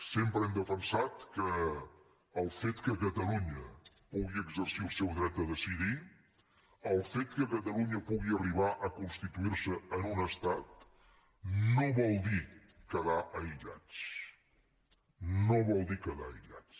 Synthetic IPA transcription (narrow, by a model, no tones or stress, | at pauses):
sempɾəɛmd̪əfənsat̪kəː | lˠfet̪kəkət̪əluɲəpuɣiəɡzəɾsilˠsɛwðɾɛt̪̚d̪əðəsiði | əlˠfet̪kəkət̪əluɲəpuɣiəriβ̞aʔəkunst̪it̪uiɾsəːnunəst̪at̪ | noβɔlˠd̪i | kəðaʔəiʎa̰t͡s | noβɔlˠd̪ikəða̰əjʎa̰t͡s